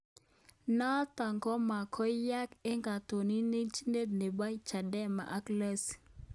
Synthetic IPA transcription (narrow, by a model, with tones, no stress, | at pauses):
na˦t̪a˨ŋɡɔ˦ma˨kʰɔ˦ja˦ke˦ŋɡa˨t̪o˨ni˦ne˦t͡ʃi˦nde˦d̚ne˨ba˦jt͡ʃa˨dɛ˦ma̰˨ʔa˦kla˦s